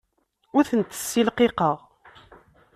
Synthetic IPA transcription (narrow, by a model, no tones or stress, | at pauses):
ʊɾθənt̪ə̥sːilqeqəʁ